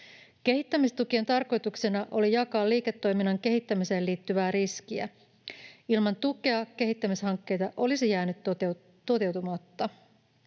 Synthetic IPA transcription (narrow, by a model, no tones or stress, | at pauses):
k̟e̞ɦit̪ːæmist̪ukie̞nt̪ɑrko̞jt̪uksenɑʔo̞lijɑkɑːliːket̪ːo̞jminːɑŋke̞ɦit̪ːæmise̞ːliːt̪ːyʋæːɾiskiæ̰ | ilmɑnt̪uke̞ɑke̞ɦit̪ːæmishɑŋkːejt̪ɑʔo̞lisijæːnyt̪ | t̪o̞t̪e̞wt̪umɑt̪ːɑ